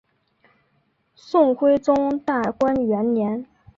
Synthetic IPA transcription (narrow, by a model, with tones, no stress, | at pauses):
sʊ˥˩ŋxwe˥ɪʈ͡ʂʊ˥ŋt̪a˥˩kwa˥nɥɛ˧˥nnjɛ˧˥n